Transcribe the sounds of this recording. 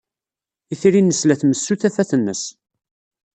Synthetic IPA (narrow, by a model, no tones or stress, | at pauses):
iθiɾinːəslæθməsːuθæfæθənːə̰s